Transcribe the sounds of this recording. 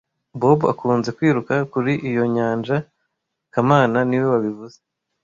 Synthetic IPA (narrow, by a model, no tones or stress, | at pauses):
bo̞bua̰kuːnze̞kwiːɾukakuɾiʔijo̞ɲaːnd͡ʒa | kamaːnaniwe̞βaβivuze